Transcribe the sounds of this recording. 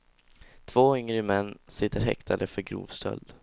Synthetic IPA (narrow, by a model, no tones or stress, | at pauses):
t̪ʰv̥oːʏŋɾəmɛnːsɪt̪ːəɾɦɛ̰kt̪ʰad̪əfœɾɡɾṵːvst̪ʰœ̰ld̪